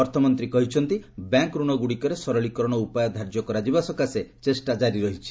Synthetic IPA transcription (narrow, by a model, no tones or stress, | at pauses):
ɔɾt̪ʰɔmɔnt̪ɾikɔɦit͡ʃʰɔnt̪ibjaŋkɾuɽ̃ɔɡuɽikɔɾesɔɾɔɭikɔɾɔɽ̃ɔupajɔd̪ʱaɾd͡ʒɔkɔɾad͡ʒibasɔkaset͡ʃesʈad͡ʒaɾiɾɔɦit͡ʃʰi̥